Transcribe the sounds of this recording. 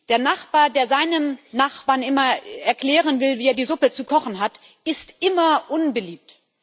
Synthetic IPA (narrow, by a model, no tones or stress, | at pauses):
d̥eːɐnaχb̥aːɐdeːɐzaɪnəmnaχb̥aːɐnɪmɐɛɐkl̥ɛːʁ̞ənvɪlviːeːɐdiːzʊpət͡sukʰɔχn̩ɦat | ɪstʔɪmɐʔʊnbəliːp̚t